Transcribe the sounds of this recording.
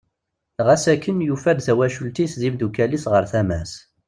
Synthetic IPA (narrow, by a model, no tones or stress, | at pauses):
ʁæsækːənjufæd̪θæwæʃult̪isðimd̪ukælisʁəɾθæmæs